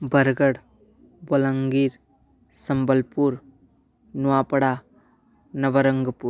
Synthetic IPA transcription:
bəɾɡəɽ | bɐləŋɡiːɾ | sɐmbəlpuɾ | nuwapəɽa | nɐʋəɾəŋɡəpuɾ

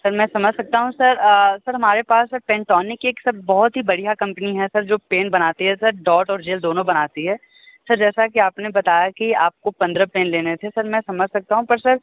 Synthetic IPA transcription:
sɐɾmɛ̃ːsɐməd͡ʒʱsɐk̚t̪aɦũsɐɾəsɐɾɦɐmaːɾepaːsːɐɾpɛ̃ːɳʈɔːnɪkeːksɐb̚bɔɦʊt̪ɦibɐɽijakɐ̃mpəniɦɛsɐɾd͡ʒoːpeːnbɐnaːt̪iɦɛsɐɾɖɔːʈɔːɾd͡ʒeːld̪oːnõbɐnaːt̪iɦɛː | sɐɾd͡ʒɛːsakiaːpnebɐt̪aːjakiaːp̚kopɐ̃nd̪ɾəpeːnleːnet̪ʰesɐɾmɛ̃ːsɐməd͡ʒʱsɐk̚t̪aɦũpɐɾsɐɾ

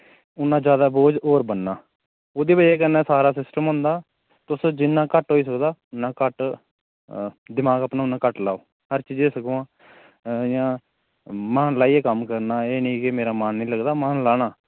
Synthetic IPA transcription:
ʊnːãːd͡ʒjaːd̪aːboːd͡ʒoːɾbənːaː | oːd̪iːbəeːkənãːsaːɾaːsɪsʈəmɦʊ̃ːnd̪aː | t̪ʊsd͡ʒɪnːãːkəʈɦoːiːs̬əkd̪aːnːãːkəʈ | d̪ɪmaːɡapnaːʊnːãːkəʈlaːoː | həɾt͡ʃiːd͡ʒeːsəkoãː | jãː | maːnlaːiːeːkəmkəɾnaːeːnĩːkɪmeːɾaːmaːnːĩːləɡd̪aːmaːnlaːɽaː

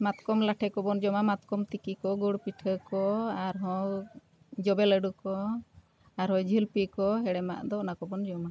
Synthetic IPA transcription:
mat̪kɔmlaʈʰɛkɔbɔnd͡ʒɔmamat̪kɔmt̪ikikɔɡuɽpiʈʰəkɔaɾɦɔ̃ | d͡ʒɔbɛləɖukɔ | aɾɦɔ̃d͡ʒʱilpikɔɦɛɽɛma̰ʔd̪ɔʔnakɔbɔnd͡ʒɔma

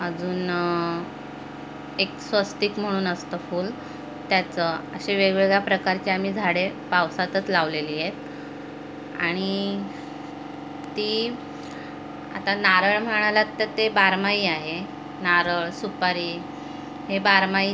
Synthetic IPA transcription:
əd͡zuːn | eksʋəst̪iːkm̤əɽ̃uːnəst̪əfuːl | t̪jat͡səəɕeʋeɡɭeɡɭjapɾəkaɾt͡ɕaam̤iːd͡zʱaɽepawsat̪ət͡slaʋleliːjet̪̚ | a̰ɽ̃i | t̪iː | a̰t̪anaɾəɭm̤əɽ̃alat̪ːəɾt̪ebaɾmaiːaɦe | naɾəɭsupaɾiː | ɦebaɾmai

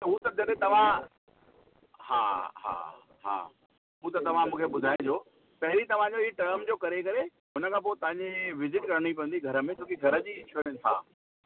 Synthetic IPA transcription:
t̪ɐɦut̪ɐd͡ʑɐɗẽt̪ɐʋ̤ã | ha̰ːɦa̰ː | ɦa̰ː | ɦuːt̪ɐt̪ɐʋ̤ãmũːkʰeɓʊd̪ʱaːɪ̃d͡ʑoː | pɐɦɪɾit̪ɐʋ̤ãd͡ʑoiʈəɾmd͡ʑoːkɐɾekɐɾe | ɦʊnəkʰãːp̬oːit̪ɐɦãɲd͡ʑeʋɪzɪʈkɐɾɽ̃ip̬ɐ̃ə̃nd̪iɡʱɐɾə̆mẽt͡ɕʰoːkiɡʱɐɾəd͡ʑiːɪt͡ɕʰəɾə̃nɪt̪ʰã̰ː

